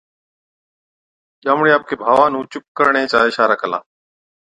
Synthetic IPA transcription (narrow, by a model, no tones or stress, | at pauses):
ʄaːmɳeːaːp̚keːbʱaːʋãːnũːt͡ʃʊp̚kəɾɳeːt͡ʃaːɪʃaːɾakʰəla̰ː